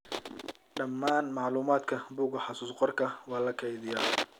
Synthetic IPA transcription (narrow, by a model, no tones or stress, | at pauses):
ɖɐmːaːnmɑʕluːmaːd̪kʰɐbuːɡɐħɑsuːsqɔrkʰɐwɑːlɐkʰɛjðɪjaː